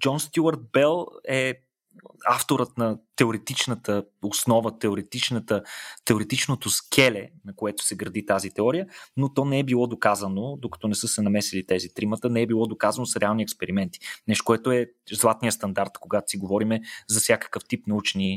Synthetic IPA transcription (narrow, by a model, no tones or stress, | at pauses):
d͡ʒɔnst̪ʲjuɐɾt̪̚bɛlˠɛ | aft̪oɾət̪nɐt̪ɛoɾɛt̪it͡ʃnət̪əosnɔvət̪ɛoɾɛt̪it͡ʃnət̪ət̪ɛoɾɛt̪it͡ʃnot̪oskʰɛlɛnɐkoɛt̪o̥sɛɡɾɐd̪it̪azit̪ɛɔɾijənot̪ɔnɛɛbilˠɔd̪okazənod̪okɐ̥t̪ɔnɛsɤsɛnɐmɛsilit̪ɛzit̪ɾimət̪ənɛɛbilˠɔd̪okazənosɾɛalˠniɛkspɛɾimɛnt̪i̥nɛʃt̪o̥koɛt̪oɛ | zlˠat̪nijəst̪ɐnd̪aɾt̪koɡat̪o̥siɡovɔɾimɛzɐfsʲjakə̥kəft̪ipnɐut͡ʃɛni